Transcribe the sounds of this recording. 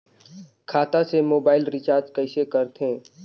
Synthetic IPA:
kʰaːt̪asemoːbaːɪlɾɪt͡ʃaːɾd͡ʒkɐɪsekəɾt̪ẽː

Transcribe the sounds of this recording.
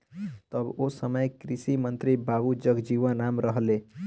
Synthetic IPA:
t̪əbosəməjkɾisimənt̪ɾibabud͡ʒəɡd͡ʒiʋãnamɾəɦle

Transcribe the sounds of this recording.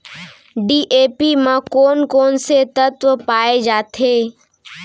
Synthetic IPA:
ɖiːʔeːpimãkoːnkoːnset̪ət̪ʋəpaːed͡ʒaːt̪ʰeː

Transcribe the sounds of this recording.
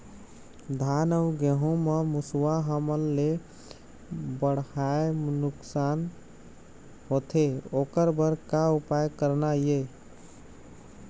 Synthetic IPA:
d̪ʱanəʊɡeɦũmemuswaɦəməlːe | bəɽhaenuksan | ɦot̪ʰeokəɾbəɾkaupajkəɾnaje

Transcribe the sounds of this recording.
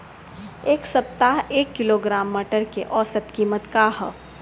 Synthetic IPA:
eːksɐp̚t̪aɦeːkːɪloɡɾaːmːɐʈəɾkeʔɔːsət̪kiːmət̪kaɦ

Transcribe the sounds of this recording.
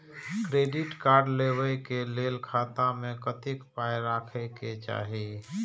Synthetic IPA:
kɾeːɖɪʈkaːɾɖleːwəjkeleːlkʰaːt̪amẽkət̪ɪkpaːjɾaːkʰɛket͡ʃa̰ːɦi

